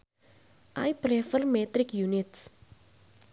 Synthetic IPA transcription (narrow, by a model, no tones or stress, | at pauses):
a̰jplefəlmeːt̪ɾikjunits